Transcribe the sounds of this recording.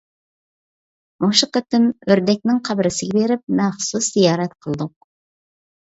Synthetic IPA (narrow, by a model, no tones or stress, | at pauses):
moʃɨqət̪ɪmøɾd̪ɛk̚ʲnɪŋqʰɑbɪɾɪsɪɡʲɛbeɾɪp̚mæχsuszijɑːɾɛt̪qʰəlˠd̪ʊq̚